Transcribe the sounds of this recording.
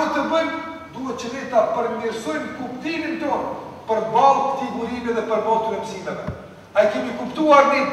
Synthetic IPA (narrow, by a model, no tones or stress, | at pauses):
ut̪əbənd̪uɦɛt͡ʃənɛt̪apəɾmiɾsɔjmkupt̪imint̪ɔn | pəɾbalˠtət̪iɡuɾimɛðɛpəɾmɔt̪uɾɛməsid̪avɛ | ajkɛmikupt̪uaɾnɛ